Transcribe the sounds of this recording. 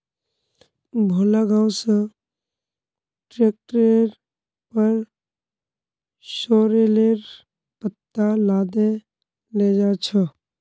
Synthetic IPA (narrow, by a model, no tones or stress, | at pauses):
bʱoːlaɡãːwsə̃ | ʈɾeːk̚ʈɾeɾ | pəɾ | ʃoːɾeleːɾ | pət̪ːalaːd̪e | leːd͡ʒaːt͡ʃʰə